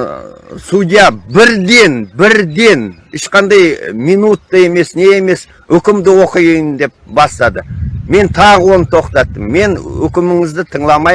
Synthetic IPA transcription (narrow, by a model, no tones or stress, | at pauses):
sud̪ijɑbɪɾd̪e̞nbɪɾd̪e̞n | ɪʃqɑnd̪ɑjmijnut̪ːəe̞me̞sne̞ːme̞s | ʏkʲɪmd̪ɪwo̞qəjjnd̪e̞p̚bɑst̪ɑd̪əme̞nt̪ʰɑʁəwo̞nət̪ʰo̞qt̪ɑt̪ːəmːe̞nʏ̰kʲɪmɪŋɪzd̪ɪt̪ʰəɴlˠɑmɑj